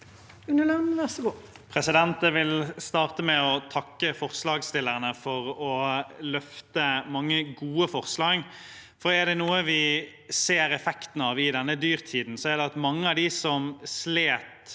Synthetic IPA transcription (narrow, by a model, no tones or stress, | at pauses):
ʉnəlɑnʋæʁsəɡuː | pʰʁɛsɪd̪ɛnt̪əʋɪlst̪ɑːɾt̪əmɛɔt̪ʰɑkːəfɔʁslɑːɡst̪ɪlːəʁənəfɔɾɔlœft̪əmɑŋːəɡuːəfɔʁslɑːɡ | fɔɾɛd̪ɛnuːəʋɪ | seːɾɛfɛkt̪n̩ɑʋɪd̪ɛnːəd̪yːɾt̪ʰiːd̪n̩sɔæɾd̪ɛɑt̪mɑŋːəɑʋd̪ɪsɔmsleːt̪